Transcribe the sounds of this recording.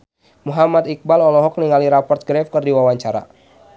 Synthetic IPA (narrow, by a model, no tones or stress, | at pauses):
muɦamat̪ik̚balɔlɔɦɔk̚niŋaliɾapɔrt̪̚ɡɾɛfkɨrdiwawaɲt͡ʃaɾa̰